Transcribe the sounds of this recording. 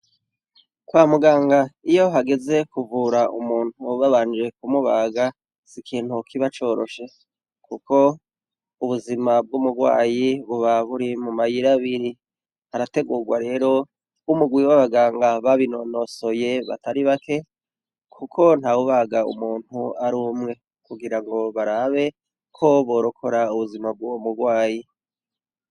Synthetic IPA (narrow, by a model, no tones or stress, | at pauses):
kwaːmuɡaːŋɡaijo̞ɦaɡe̞ze̞kuvuːɾaʔṵmuːn̥huβaβaːnd͡ʒe̞k̚umuβaːɡa | sikʰiːn̥hukʰiβat͡ʃo̞ːɾo̞̰ʃe̞ | kukʰo̞ | uβuzimab̚ɡumuɡwa̰ːjiβuβaβuɾimumajiɾaβiɾi | haɾate̞ɡuːɡwaɾe̞ːɾo̞ | umuɡwiwaβaɡaːŋɡaβaβinonoso̞je̞βa̰tʰaɾiβakʰe̞ | kʰukʰo̞n̥hawuβaːɡaṵmuːn̥huaɾuːmŋe̞ | kuɡiɾaŋɡo̞βaɾaːβe̞ | kʰo̞βo̞ːɾokʰo̞ɾauβuzimab̚ɡomuɡwaːji